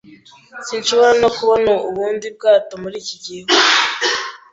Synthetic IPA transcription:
siːnʃuβoɾanokuβonuuβuːndib̚ɡaːtomuɾiːciɟiɦo

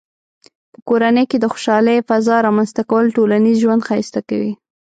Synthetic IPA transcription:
pəkoɾanəjked̪əxo̥ʃɑləjfazɑɾɑmanst̪akawəlʈolanizʒwand̪xajst̪akawi

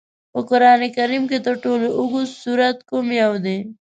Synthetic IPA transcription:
pokʊɾɑːnekɐɾimket̪oʈoːloʔʊɡusuɾɐt̪̚komijawd̪e

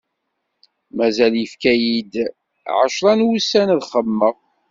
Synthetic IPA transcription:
mæzæljəfkæjid̪ | ʕə̰ʃɾˤɑnwusænðχəmːəʁ

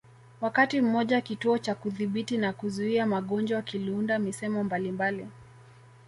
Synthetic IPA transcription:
wakatim̩mɔʄaakituɔt͡ʃakuðiɓitinakuzuiamaɠɔnd͡ʒwakilundamisɛmɔmbalimbali

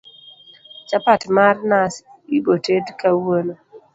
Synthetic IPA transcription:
t͡ʃapatmarnasibotedkawono

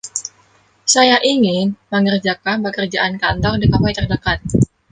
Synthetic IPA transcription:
sajaʔiŋɪnməŋərd͡ʒakanpəkərd͡ʒaʔankant̪ɔŋdikapajt̪ərdəkat̪̚

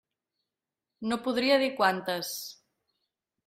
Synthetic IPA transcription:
nopuðɾiəðikwant̪əs

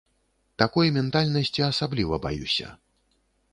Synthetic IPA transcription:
t̪akɔjmʲɛnt̪alʲnɐsʲt͡sʲiɐsablʲivɐba̰jṵsʲɐ̰

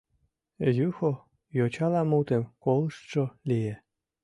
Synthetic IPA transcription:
juxo | jot͡ɕɑlɑmut̪emkolˠɤʃt̪ʃolʲije

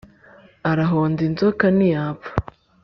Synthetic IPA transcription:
aɾaɦoːndinzokanijapḁ

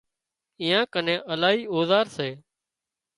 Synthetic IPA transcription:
iːãːkənẽːʔəlaːɦiːoːzaːɾseː

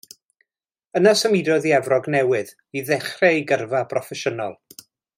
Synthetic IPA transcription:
ənasəmidɔðiɛvrɔɡnɛwɨð | iðɛχrɛjɡərvabrɔfɛʃənɔ̰lˠ

